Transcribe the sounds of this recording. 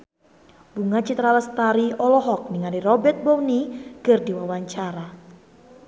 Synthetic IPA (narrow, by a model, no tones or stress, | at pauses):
b̥uŋat͡ʃit̪ɾaləst̪aɾiɔlɔɦɔk̚niŋalirɔbɛrt̪̚bɔwnikərdiwawaɲt͡ʃaɾa